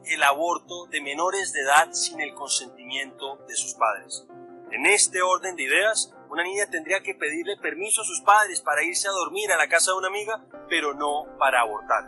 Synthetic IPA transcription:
e̞laβo̞ɾt̪o̞ðe̞me̞no̞ɾe̞zd̪eðaðsine̞lko̞nse̞nt̪imjẽ̞nt̪o̞ðe̞suspaðɾe̞se̞ne̞st̪e̞o̞ɾðe̞nd̪e̞iðe̞as | unanĩɲat̪e̞nd̪ɾiake̞pe̞ðiɾle̞pe̞ɾmisoasuspaðɾe̞spaɾaiɾse̞aðo̞ɾmiɾalakasaðunamiɣape̞ɾo̞no̞paɾaːβo̞ɾt̪aɾ

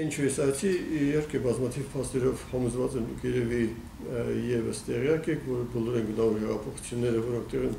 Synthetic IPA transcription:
int͡ʃʰəjɛsɑjt͡sʰiihɛɾkʰɛbɑzmɑt̪ʰiv̥pʰɑst̪ɛɾɔvhɑmuzvɑt͡sɛnd̪ukʰjɛɾɛvi | jɛvəst̪ɛʁjɑkɛkʰvɔɾəbɔlɔɾɛnɡənɑluɦɛʁɑpʰɔχu̥t͡sʰjunːɛɾəvɔɾɔkt̪ɛʁin

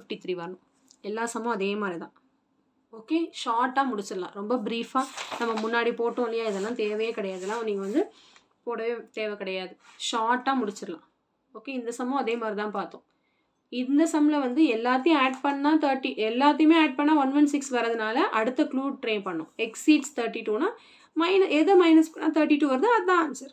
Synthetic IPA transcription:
fɪfʈit̪ɾiːʋɐɾɐnʊ̃ | ɛlːaːsɐmɐ̃ɐðeːmaːd̪ɾit̪ãː | oːkeːʂaːʈːaːmʊɽɪt͡ʃːɪɾɐlã̰ːɾɔmbɐbɪɾiːfaːnɐmːɐmʊnːaːɽipoːʈːõːlɪjaːɪðɛlːãːt̪eːʋɐjɐkɪɽɐjaːðɛlːãːniːŋɡɐʋɐnd̪ɯ | poːɽɐʋeːt̪eːʋɛkɪɽɐjaːðɯʃaːʈːaːmʊɽɪt͡ʃːɪɾɐlã̰ː | oːkeːɪnd̪ɐsɐmõɐðeːmaːd̪ɾit̪ãːpaːɾt̪õː | ɪnd̪ɐsɐmlɐʋɐnd̪ɯɛlːaːt̪̬ːɪjʊ̃aːʈpɐɳːaːt̪ɐːɾʈːiɛlːaːt̪ːɪjʊmeːaːʈ̚pɐɳːaːʋɐnʋɐnsɪksʋɐɾɐðɯnaːlɐʔɐɽɯt̪ːɐkluːʈɾeːnpɐɳːʊ̰̃ɛksiːʈst̪ʰɐːɾʈːiʈuːnaː | mɐɪnɐɛðɐmɐɪnɐspɐɳːaːt̪ʰɐːɾʈːiʈuːʋɐɾɐðɯɐd̪ãːnsɐɾ

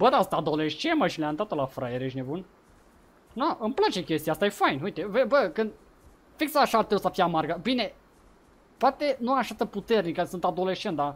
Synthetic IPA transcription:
bəd̪asɨnt̪ad̪o̞leʃt͡ʃeməʃileant̪at̪olafɾajeɾeʃne̞bun | naʔɨmplat͡ʃe̞kʲe̞st̪ijast̪aje̞fajnujt̪e̞vebəkɨnd̪ | fiksəːʃaart̪ɾusəfijamarɡəbine̞ | poat̪e̞nuaaʃat̪əput̪e̞rnikəsɨnt̪ad̪o̞le̞ʃt͡ʃent̪d̪a

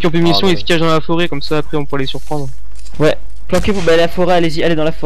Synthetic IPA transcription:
kʲiɔ̃pymisjɔ̃iskʲaʒd̪ɑ̃lafɔʁɛkɔmsaːpχɛɔ̃puʁɛlesyʁpχɑ̃d̪ʁ | wɛ | plɑ̃kʲevubɛlafɔʁɛalezialed̪ɑ̃lafɔ

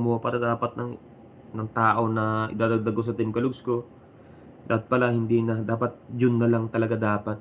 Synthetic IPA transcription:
mopa̰ːɾɐd̪aːpɐt̪̚nɐŋ | nɐŋt̪aːʔo̞nɐʔɪ̰d̪aːd̪ɐɡ̚d̪ɐɡos̬ɐt̪ɪmkɐlʊɡsko̞ | d̪aːpɐt̪̚pɐlahɪnd̪inɐd̪aːpɐt̪̚d͡ʒʊnːɐlaŋt̪ɐlɐɡad̪aːpɐt̪̚

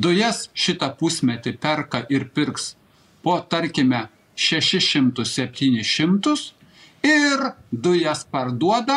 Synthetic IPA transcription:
d̪ʊjɛsʃʲɪt̪ɐpʊsʲmʲɛt̪ʲɪpʲɛɾkɐʔɪɾpʲɪɾks | poːt̪ɐɾʲkʲɪmʲɛ | ʃʲɛʃʲɪʃʲɪmt̪ʊssʲɛpʲt̪ʲiːnʲɪʃʲɪmt̪ʊs | ɪɾd̪ʊjɛspɐɾd̪uɔd̪ɐ

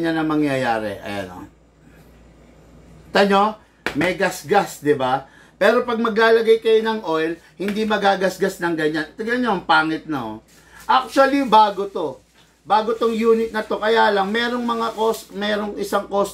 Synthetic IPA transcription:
ɲanɐŋmɐŋjɐjaːɾɛ̰ʔɐ̰jo̰no̰ | t̪ɐɲo̞ | mɛjɡɐsɡasd̪ɪba | pɛːɾo̞pɐɡ̚mɐɡlaːlɐɡajkɐjo̞nɐŋʔo̞jl | hɪnd̪imɐɡaːɡɐsɡasnɐŋɡɐɲant̪ɪɡɐɲoɐŋpaːŋɪt̪̚nɐ | ʔak̚t͡ʃʊwɐlibaːɡot̪o̞ | baːɡot̪oŋjuːnɪt̪̚nɐt̪o̞kɐjaːlɐŋmɛːɾo̞ŋmɐŋakosmɛːɾo̞ŋɪsaŋkos

